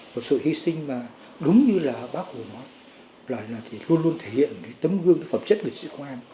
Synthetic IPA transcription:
mo˨˩t̚sɨ̰˧˨hi˧sï˧ŋ̟maː˨˩ | ɗʊ˨˦ŋ͡mɲɨ˧laː˨˩ɓaː˦˥k̚ho˨˩nɔ˨˦j | laː˨˩laː˨˩t̪ʰi˨˩lu˧ənlu˧ənt̪ʰe˧˩hḭ˧˨ənke˨˦jt̪ə˨˦mɣɨ˧əŋkə˨˦fə˨˩mt͡ɕə˦˥t̚ŋɨ˨˩sḭ˧˨kʔaː˧n

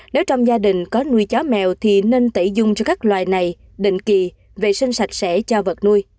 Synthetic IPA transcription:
ne˨˦wt͡ɕɔ˧wŋ͡mzaː˧ɗï˨˩ŋ̟kɔ˨˦nu˧əjt͡ɕɔ˨˦mɛ̰˨wt̪ʰi˨˩ne˧nt̪ə˧˩jzʊ˧ŋ͡mt͡ɕɔ˧kaː˦˥k̚lwaː˨˩jna˨˩j | ɗḭ̈˧˨ŋ̟ki˨˩ | ve˨˩sï˧ŋ̟sa˨˩jt̟̚sɛ̰˧˥t͡ɕɔ˧və˨˩t̚nu˧j

